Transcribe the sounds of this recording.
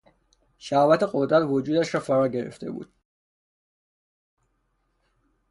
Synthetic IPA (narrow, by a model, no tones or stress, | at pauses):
ʃæhvæt̪ʰeqod̪ɾæt̪ʰvod͡ʒuːd̪æʃɾɒːfæɾɒːɟeɾḛft̪ḛbṵːd̪̥